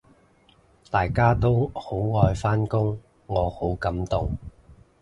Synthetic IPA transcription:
t̪aː˨jkaː˥t̪o˥who˨˥wŋɔː˧jfaː˥nkʊ˥ŋ | ŋɔː˨˧ho˨˥wkɐ˨˥mt̪ʊ˨˩ŋ

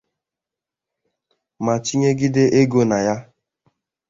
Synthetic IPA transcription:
ma˨t͡ʃi˦ɲe˦ɡɪ˦dɪ˦ʔe˦ɡo˨na˨ja˦

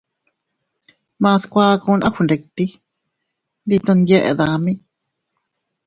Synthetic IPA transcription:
mã˧skʷa˧ku˧nʔã̰˦xu˧nɾe˨˧t̪i˦ | nd̪i˧t̪ũ˧nd̪je˦˧ʔḛ˨ða˧mĩ˦

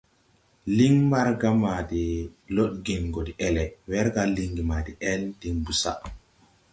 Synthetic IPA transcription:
li˦ŋma˦ɾɡa˦ma˨di˨lo˦ɗɡi˨nɡo˨di˨ʔɛ˦lɛ˨wɛ˦ɾɡa˦li˨ŋɡi˨ma˨di˨ʔɛ˦ldi˨ŋbu˦sa̰˦

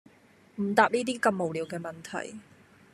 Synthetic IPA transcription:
m̩˨˩t̪aː˧p̚niː˥t̪̬iː˥kɐ˧mːo˨wliː˨˧wkɛː˧mɐ˨nt̪ʰɐ̰˨˩j

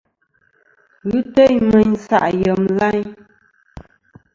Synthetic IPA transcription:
ɣʉ˦tə˦jmə˨ɲ˦sa̰˦˨ʔjə˨mla˦ɲ

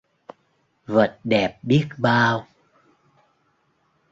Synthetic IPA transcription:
və̰˨t̚ɗɛ˨˩p̚ɓi˦˥ət̚ɓaː˧w

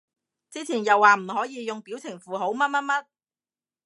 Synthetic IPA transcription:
t͡siː˥t͡sʰiː˨˩njɐ˨wːaː˨m̩˨˩hɔː˨˥jiː˨˧jʊ˨ŋpi˨˥wt͡sʰɪ˨˩ŋfuː˨ɦo˨˥wmɐ˥t̚mɐ˥t̚mɐ˥t̚

